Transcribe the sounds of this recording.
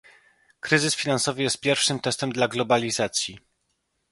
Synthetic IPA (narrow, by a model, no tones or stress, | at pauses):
kɾɘzɘsfʲinansɔvɘjɛst̪̚pʲjɛɾfʂɘmt̪ɛst̪ɛmd̪laɡlɔbalʲizat̪sʲji